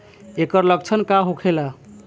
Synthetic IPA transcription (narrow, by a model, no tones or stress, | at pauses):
ekəɾlək̚t͡ʃʰənkaɦokʰela